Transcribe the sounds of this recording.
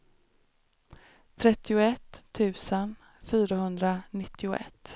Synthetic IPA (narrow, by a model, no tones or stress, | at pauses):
t̪ʰɾɛt̪ːɪʊɛt̪ʰːʉ̟ːsən | fyːɾaɦɵnd̪ɾanɪt̪ːɪʊʔɛ̰t̪ː